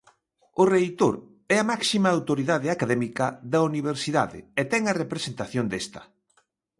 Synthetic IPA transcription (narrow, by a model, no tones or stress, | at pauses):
ʊrejt̪oɾ | ɛɐmaksimɐawt̪oɾiðaðɪakaðɛmikɐðɐuniβ̞eɾsiða̰ðɪ̰ɛt̪ɛŋɐrepɾesent̪aθjond̪est̪ɐ̥